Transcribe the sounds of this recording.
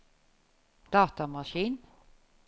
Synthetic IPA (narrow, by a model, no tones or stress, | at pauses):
d̪̥ɑːt̪amaʂiːn